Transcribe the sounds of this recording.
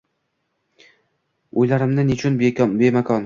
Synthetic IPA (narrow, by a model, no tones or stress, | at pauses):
ojlaɾɪmnɪnɪt͡ʃʰʊnbemakʰɒn